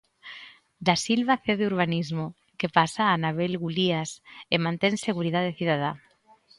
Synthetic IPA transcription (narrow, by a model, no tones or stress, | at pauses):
d̪asilβaθeðeuɾβ̞anizmo | kepasaːnaβ̞elɣuliasemãnt̪eŋseɣuɾiðaðeθiðaða